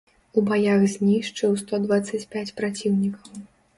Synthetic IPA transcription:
ubajaxzʲnʲiʂt͡ʂɨwst̪ɔd̪vat̪sːɐt͡sʲpʲat͡sʲpɾat͡sʲiwnʲikɐw

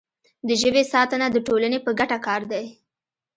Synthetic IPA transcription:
d̪əʒəwesɑt̪ənad̪əʈolanepəɡaʈakɑɾd̪aj

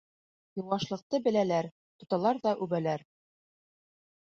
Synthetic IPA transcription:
jŭwʁɑʃlˠɤ̆q̚t̪ɤbɘ̆lælæɾ | t̪ŏt̪ɑlˠɑɾðɑʔʉbælæɾ

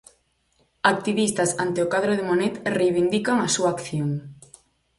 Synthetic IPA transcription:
ak̚t̪iβist̪asant̪ɪʊkaðɾoðɪmonet̪rejβind̪ikaŋasuaːkθjoŋ

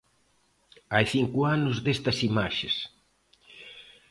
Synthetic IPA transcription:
ajθiŋkʊanʊzðest̪ɐsimaʃes

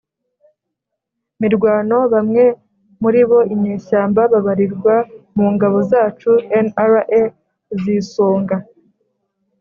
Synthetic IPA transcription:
miɾɡwaːno̞βamŋe̞ | muɾiβo̞imɲeːʃaːmbaβaβaɾiɾɡwamuːŋɡaβo̞zaːt͡ʃuenaɾaʔe | zisoːŋɡa

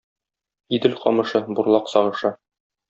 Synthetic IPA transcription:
id̪ɘlqɒ̰mɤ̆ʃɤbuɾlˠɑqsɒʁɤ̆ʃɤ

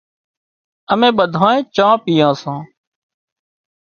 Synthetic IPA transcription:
əmẽːɓəd̪ʱãːẽːt͡ʃãːpijãːsãː

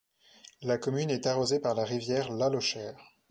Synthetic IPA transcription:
lakɔmynɛt̪aʁozepaʁlaʁivjɛʁlalɔʃɛːʁ

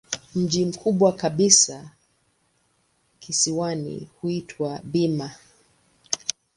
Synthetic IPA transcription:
m̩ʄim̩kʰuɓwakaɓisa | kʰisiwanḭhuitʰwaɓima

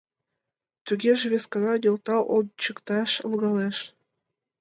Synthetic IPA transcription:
t̪yɣʲeʒĕβʲeskɑnɑjolt̪ɑʔolt͡ɕəkt̪ɑʃə̰̆lɣɑleʃ

